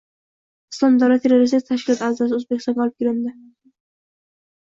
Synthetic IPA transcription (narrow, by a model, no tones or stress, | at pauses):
ɪslˠɒmd̪awlat̪ʰːeɾoɾɪs̬t̪ɪkt̪ʰaʃkʲɪlɒt̪azas̬ɪozbekʲɪst̪ɑnqɒlˠɪp̚kʲɪɾɪnd̪ɪ